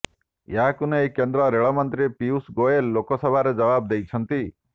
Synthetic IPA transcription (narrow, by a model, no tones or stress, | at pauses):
jɦakunɔekend̪ɾɔɾeɭɔmɔnt̪ɾipiusɡoelːokɔsɔbʱaɾed͡ʒɔbab̚d̪ejt͡ʃʰɔnt̪i